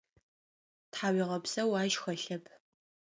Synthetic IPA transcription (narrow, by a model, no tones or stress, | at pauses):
tħaːwiʁɐbsɐwaːʒxɐɬɐpʰ